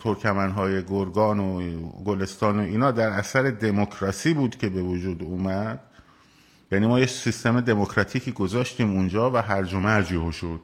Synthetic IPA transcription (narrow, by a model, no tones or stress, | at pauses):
t̪ʰoɾkʰæmænɦɒːje̞ɡoɾɡɒːnoɡole̞st̪ɒːnoiːnɒːd̪æɾæsæɾe̞d̪e̞mokʰɾɒsiːbuːd̪cʰʲe̞be̞vod͡ʒuːd̪uːmæd̪̥ | jæːniːmɒːjeksist̪eme̞d̪e̞mokʰɾɒt̪ʰiːcʰiːɡo̞zɒːʃt̪iːmund͡ʒɒːvæɦæɾd͡ʒomeæd͡ʒiɦoʃod̪̥